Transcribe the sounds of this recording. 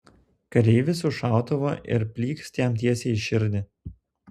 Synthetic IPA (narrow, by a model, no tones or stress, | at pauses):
kɐɾʲɛɪʋʲɪsʊʃɑˑʊt̪ɐʋoːʔɪ̰ɾpʲlʲiːkst̪ʲiɛmt̪ʲiɛsʲeɪʃʲɪɾʲd̪ʲɪ